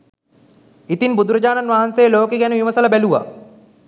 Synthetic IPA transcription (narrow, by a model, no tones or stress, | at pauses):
it̪inbud̪uɾɐd͡ʑaːnanʋaɦanseːloːkeɡænəʋimɐsələbæluʋa̰